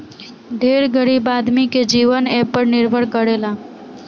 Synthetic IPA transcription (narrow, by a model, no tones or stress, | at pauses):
d̪ʱeɾɡʱəɽibaːd̪miked͡ʒiːʋənɛpəɾnɪɾbʱəɭkəɽela